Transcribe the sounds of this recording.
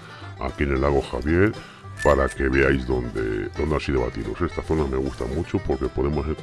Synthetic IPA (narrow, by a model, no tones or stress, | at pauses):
a̰kie̞ne̞lːaɣ̞o̞xaβje̞ɾ | paɾake̞βe̞ajzðo̞nd̪e̞̰d̪o̞nd̪asiðoβa̰t̪iðo̰se̞st̪aθo̞name̞ɣ̞ust̪a̰mut͡ʃopo̞ɾke̞po̞ðe̞moseɾ